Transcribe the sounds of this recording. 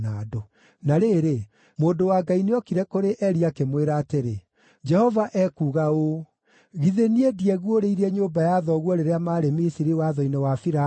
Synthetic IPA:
naːdo | naɾeːɾe | moːndowaːɡaineɔkiɾɛkoɾeʔɛɾiakemweɾateɾe | d͡ʒɛhɔvaʔɛkuːɣao | ɣiðeniediɛɣwoɾeiɾɛɲoːbajaðɔɣwɔɾeɾeamaːɾemisiɾiwaðɔinɛwafiɾa

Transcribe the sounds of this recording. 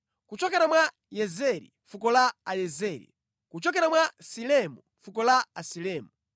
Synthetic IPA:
kut͡ʃɔkɛɾamwa | jɛzɛɾḭɱfukɔlaajɛzɛːɾḭ | kut͡ʃɔkɛɾamwasilɛmu | fukɔlaasilɛːmu

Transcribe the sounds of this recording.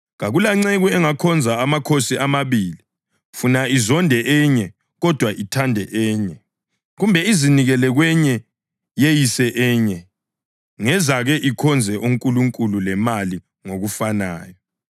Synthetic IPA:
ɣaɣulaŋ͡ǀeɣuɛŋakʰɔnd͡zʱaːmakʰosiʔamaβiːli | funaizɔndʱɛʔɛɲɛ | ɣɔd̥ʱwaʔitʰandʱɛʔɛːɲɛ | ɣumbʱɛiziniɣɛlɛɣwɛɲɛ | jejisɛʔɛːɲɛ | ŋɛzaɣɛʔikʰɔnd͡zʱɛʔuŋkʼuluŋkʼululɛmali | ŋoɣufanaːjɔ

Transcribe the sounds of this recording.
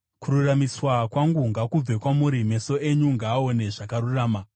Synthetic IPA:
kururamiswakwaŋɡuŋɡakub͡ve̞kwamuɾime̞so̞e̞ɲuŋɡaːo̞ne̞ʐakaɾuraːma

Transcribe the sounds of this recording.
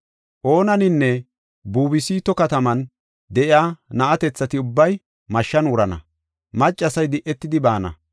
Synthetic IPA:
ʔo̞ːnɐnɪnːɛ | buːbɪsiːt̪ɔkɐt̪ɐmɐn | d̪ɛʔɪaːnɐʔɐt̪ɛt͡sːɐt̪ɪʊbːɐj | mɐʃːɐnʊɾɐnɐ̰ | mɐt͡ʃʼːɐsɐjd̪ɪʔːɛt̪ːɪd̪ɪbaːnɐ̰

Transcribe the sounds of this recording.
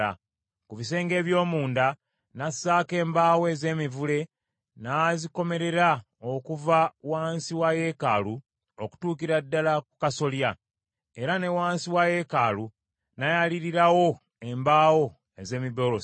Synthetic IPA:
a̰ | kuβis̬e̞ːŋɡe̞ːβjo̞ːmuːnda | nasaːke̞ːmbaːweze̞ːmivule̞ | naziko̞me̞ɾe̞ɾa | o̞kuvawaːnsiwaje̞kaːlu | oku̥tuːkiɾadːalakukaso̞lja | e̞ɾane̞waːnsiwaje̞kaːlu | najaliɾiɾawo̞ | e̞mbaːwo̞ | eze̞ːmiβo̞ɾo

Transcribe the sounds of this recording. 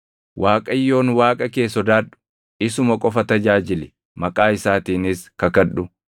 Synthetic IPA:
waːkʼɐjːo̞ːnwaːkʼɐke̞ːsɔd̪aːᶑʊ̥ | ɪsʊmɐkʼɔfɐt̪ɐd͡ʒaːd͡ʒɪlɛ | mɐkʼaːɪsaːt̪iːnɪskɐkɐᶑʊ

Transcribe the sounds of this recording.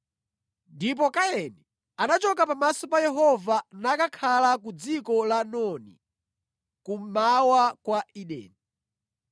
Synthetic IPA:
ndip̬ɔkajɛnɛ | anat͡ʃɔkapamasɔpajɛɦɔvanakakʰalak̬ud͡zikɔlanɔnḭ | kumawakwaiɗɛ̰ːni

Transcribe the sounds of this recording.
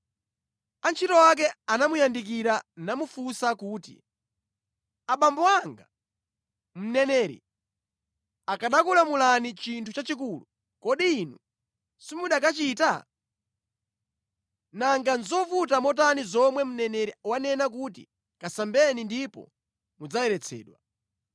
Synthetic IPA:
ant͡ʃʰitɔwak̬ɛanamujandik̬iɾanamufusakuːtḭ | aɓambɔaŋɡa | m̩nɛnɛɾḭ | akaɗakulamulanit͡ʃintʰut͡ʃat͡ʃikulu | kɔɗiːnu | simuɗak̬at͡ʃiːta̰ | naŋɡanzɔfut̬amɔtanizɔmwɛm̩nɛnɛɾiwanɛnak̬utḭ | kasambɛnindipɔ̰ | mud͡zajɛɾɛt͡sʰɛ̰ːɗwa

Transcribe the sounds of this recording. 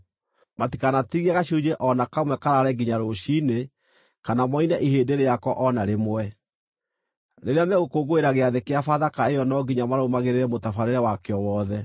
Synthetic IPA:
mati̥kanatiɣiaɣaɕud͡ʒeʔɔnakamwɛkaɾaɾɛɡiɲaɾoɕine | kanamɔinɛʔiɦeːdeɾejakɔʔɔnaɾemoɛ | neɾeamɛɣokoɣoeɾaɣeaðekeafaðakaejɔnɔɡiɲamaɾomaɣeɾeɾɛmotafaɾeɾɛwakeɔwɔːðɛ

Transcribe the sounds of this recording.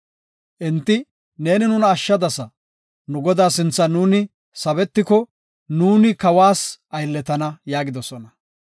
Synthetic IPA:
ʔɪnt̪ːɪ | ne̞ːnɪnʊnɐːʃːɐd̪ɐsɐ | nʊɡɔd̪aːsɪnt͡sːɐnuːnɪ | sɐβɛt̪ːɪkɔ | nuːnɪkɐwaːsʔɐjlːɛt̪ɐnɐjaːɡɪd̪ɔsɔnɐ

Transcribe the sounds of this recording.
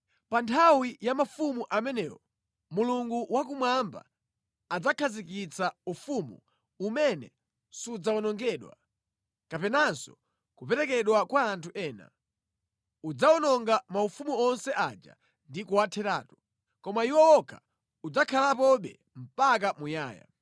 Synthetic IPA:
pantʰawijamafumuʔamɛnɛwɔ | muluŋɡuwakumwamba̰ | ad͡zakʰazikit͡saufumṵ | umɛnɛ | sud͡zaɔnɔŋɡɛɗwa̰ | kapɛnansɔ̰ | kupɛɾɛkɛɗwakwaːntʰuʔɛːna̰ | ud͡zaɔnɔŋɡamaufumuɔnsɛʔad͡ʒa̰ | ndikuwatʰɛɾa̰ːtu̥ | kɔmaiwɔɔkʰa | ud͡zakʰalapɔɓɛ̰ | m̩pak̬amuja̰ːja̰

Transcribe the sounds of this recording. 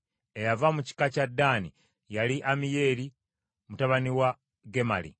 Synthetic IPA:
e̞javamuci̥kacadːani | jaliʔamije̞ːɾi | mutaβaniwa | ɡe̞ma̰lḭ

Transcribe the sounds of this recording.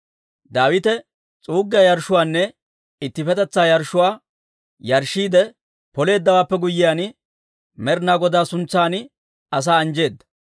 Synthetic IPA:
d̪aːwɪt̪ɛ | t͡sʼuːɡːɐjɐɾʃʊwaːnːɛ | ɪt̪ːɪfɛt̪ɛt͡sːaːjɐɾʃːʊwaː | jɐɾʃːiːd̪ɛ | pɔle̞ːd̪ːɐwaːpːɛɡʊjːɪjaːnɪ | mɛɾnaːɡɔd̪aːsʊnt͡sːaːnɪ | ɐs̬aːɐnd͡ʒe̞ːd̪ːɐ̥

